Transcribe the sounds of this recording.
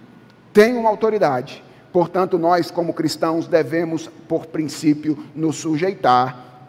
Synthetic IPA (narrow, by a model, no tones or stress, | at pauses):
t̪ẽj̃ũmɐawt̪oɾid̪ad͡ʒɪ | poɾt̪ɐ̃nt̪ʊnɔskõmʊkɾist̪ɐ̃w̃zd̪evẽmʊspoɾpɾĩsipjʊnʊsːuʒejt̪aɾ